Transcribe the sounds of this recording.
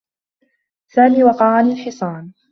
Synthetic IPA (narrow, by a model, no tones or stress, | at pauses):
saːniːwɑqɑʕanilħɪsˤɑːn